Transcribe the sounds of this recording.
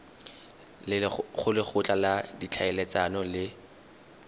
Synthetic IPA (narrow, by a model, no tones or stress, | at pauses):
lɪχʊlɪχʊt͡ɬʼaladit͡ɬʰaɛlet͡sanɔlɪ